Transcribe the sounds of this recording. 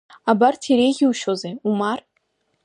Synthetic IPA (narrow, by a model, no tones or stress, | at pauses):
abartʰeɾejɣʲiuʃozeumar